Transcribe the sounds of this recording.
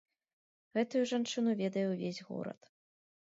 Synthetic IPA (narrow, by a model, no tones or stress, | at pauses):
ɣɛt̪ujuʐant͡ʂɨnuvʲɛd̪ɐjɛwvʲezʲɣɔ̰ɾɐ̰t̪